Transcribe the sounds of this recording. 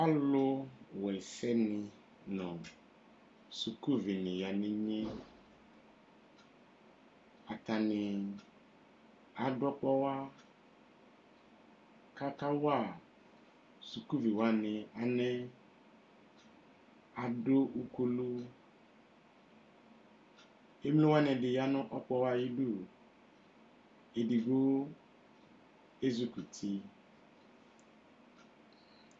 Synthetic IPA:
a˦lo˦wɔ˨ɛ˨sɛ˦nɪ̃˨ | nɔ̃˨ | su˨ku˦vi˨nĩ˨ja˨nĩ˦ɲẽ˦ | a˨t̪a˨nɪ̃˨ | a˨ɖɔ˦k͡pɔ˦wa˦ | ka˦ka˦wo˦a˨ | su˨ku˦vi˨wa˦nɪ̃˨a˨nɛ˦ | a˨do˦u˦ku˦lu˦ | e˦m˦lõ˦wa˦nɛ̃˨dɪ˨ja˦nʊ̃˦ʔɔ˦k͡pɔ˦wa˦ji˦du˦ | e˨di˨ɡo˦ | e˦zu˨ku˨tʰi˦

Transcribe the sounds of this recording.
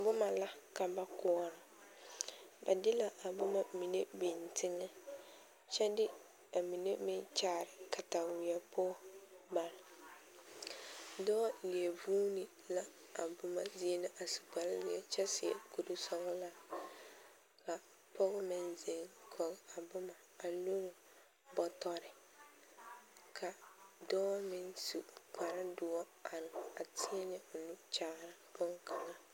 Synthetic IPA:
bʊ˦ma˨la˦ka˨ba˦kɔ˦ɔ˦ɾɪ˨ | ba̰˨dɪ˦la˦ʔa˨bʊ˦ma˦mi˨ne˦bɪ˨n˨tʰɪ˦ŋɛ˦ | t͡ʃɛ˦dɪ˦ | a˨mi˨ne˦mɪ˦t͡ʃaː˦˨ɾɪ˨kʰa˨ta˨wɪ˨ɛ˨pɔː˦ba˨ɾɪ˨ | dɔː˦li˨e˨vuː˦nɪ˨ | la˦ | a˨bʊ˦ma˦zi˦e˦nɪ˦ʔa˨su̥˨k͡pa˨lɪ˦lɪ˨˦ɛ˦t͡ʃɛ˦sɪ˨ɛ̰˨ku˨du˦sɔ˦ɣɔ˦la˦ | ka˨ | pɔ˦ɣɪ˦mɪ˦nze˨ŋkʰɔ˨ɣa˨bʊ˦maː˨lo˦ɾʊ˨ | bɔ˨tɔ˦ɾɪ˨ | kʰa˨dɔː˦mɪ˦nsu˨k͡pa˨ɾa˦dʊ˨˦ɔ˦ | a˨ɾa˨tʰɪ˦ɛ˦nɛ˦ʊ˨nu˦t͡ʃa˨˦ɾa˨bʊ˦ŋkʰa˨ŋa˦

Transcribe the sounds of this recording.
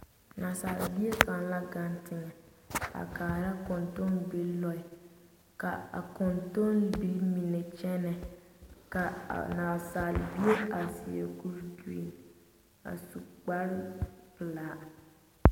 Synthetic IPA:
naː˨sa˨l̰bi˦e˦ka˨nla˦ɡa˦ntɪ˨ŋɛ˨ | a̰˨kaː˨ɾa˦kɔ˨nto˦nbe˦lɔ˦ɪ˨ | ka̰˨a̰˨kɔ˨nto˦nbi˦lmi˨nɛ˨t͡ʃɛ˦nɛ˨ | ka̰˨naː˨saː˨lbi˦e˦a˨si˨ḛ˨ku˦ɾdḭ˨n | a̰˨su˨k͡pa˦ɾɪ˦pɨ˨laː˨˦

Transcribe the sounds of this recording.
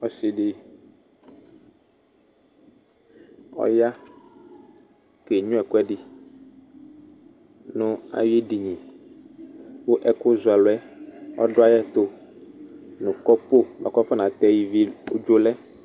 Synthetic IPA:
ɔ˦si˨ɖi˦ | ɔ̰˦ja˦ | ke˨ɲũ˦ɛ˨kʊ˦ɛ˦ɖi˦ | nũ˦a̰˨je˦ɖi˨ɲĩ˨ | bo˦ʔɛ˦ko˦zu˨a˨lo˨ɛ˦ɔ̰˦ɖɔ˦a˦jɛ˦t̪o˦ | nũ˨kɔ˦po˦lɔ̰˨kɔ˦fɛ˦nã˨t̪ɛ˦ji˦vi˦o˦d͡ʒo˦lɛ˦

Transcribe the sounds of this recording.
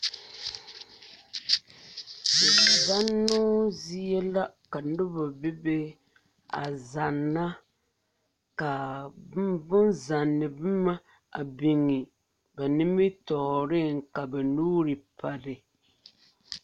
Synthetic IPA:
dɛ˨za˦nːu˦zi˦jɛ˦la˦ka˨nʊ˦bʊ˨bi˦be˦ | a̰˨za˨nːa˦ | ka˨bbʊ˦nza˨nːɪ˨bɨ˦ma˦ | a˨bi˨ŋi˨ | ba˨nɪ˦mi˦tɔ˨ɾɪ˦ŋka˨bɛ˨nuː˦ɾɨ˨pʰa˨dɪ˨

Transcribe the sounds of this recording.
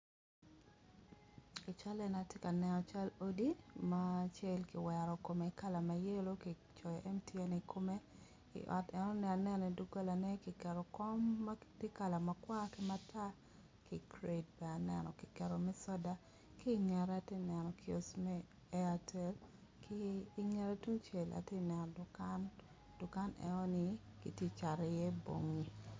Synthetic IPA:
i˨t͡ʃa˦lɛ˦na˨te˦ka˨nɛ˨nɔ˨t͡ʃa˦lo˦di˦mat͡ʃɛ˦lki˨wɛ˨ɾɔ˨ko˨me˨ka˦la˨ma˨je˦lo˦ki˨ | t͡ʃɔ˨jɛ˨ʔɛ˦mtiɛ˦ne˨kʰo˦me˦ | ḭ˨ʔɔ̰˨tɛ˨nɔ˦nɛ˦a˨nɛ˦ni˨du˦ɡa˦la˨nɛ˦ki˨kɛ˨ɾɔ˨kɔ˦mːatɪ˦ka˨la˨ma˨kwa˦ki˦ma˦tʰa˦ | ki˨kɾe˨d̚bɛ˨a˨nɛ˨nɔ̰˨ki˨kɛ˨ɾo˨mɛ˦sɔ˦da˦ | ki˦ŋɛ˨ɾa˨te˦nɛ˨nɔ˨kio˨smɛː˦ | a˨tʰɛ˦l | kiː˦ŋɛ˦ɾe˦tu˦ŋt͡ʃe˨la̰˨te˦nɛ˨nɔ˨dʊ˨ka˦n | d̥ʊ˨ka˦nɛ̰˨nɔ˦ni˦ki˨tje˦t͡ʃa˨ɾɛ˨jɛ˦bo̰˨ŋi˨

